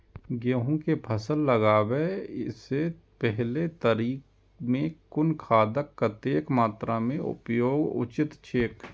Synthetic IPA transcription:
ɡeɦũkepʰəsəlːəɡaːweɪse | pɛɦlet̪əɾiːk | mẽkʊnkʰaːd̪əkːət̪eːkmaːt̪ɾamẽʊ̰pjoːɡʊ̰t͡ʃɪt̪t͡ʃʰeːk

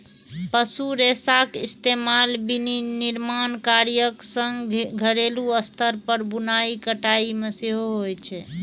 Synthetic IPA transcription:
pəsuɾesakist̪emalbininiɾmankaɾjəksəŋɡɡʱəɽeluəst̪əɾpəɾbunaikəʈaimeseɦoɦojt͡ʃʰɛ

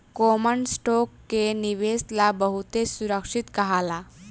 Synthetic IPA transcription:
kɔmənsʈɔkːeniʋeslabəɦut̪esuɾəkʂit̪kəɦala

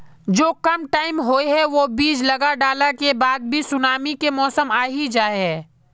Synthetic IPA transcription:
d͡ʒoːkɐmʈaːɪmɦoːeɦɛʋobiːd͡ʒlɐɡaɖaːlakebaːd̪̚bʱisʊnaːmikemɔːsəmaːɦid͡ʒaːeɦɛː

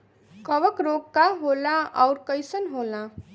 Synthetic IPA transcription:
kʌʋəkɾoɡkaɦolãʔɔwɾkʌjsənɦolã

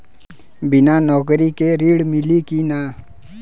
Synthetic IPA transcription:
bɪnanɔːkɾikeɾiːɽmɪlikina

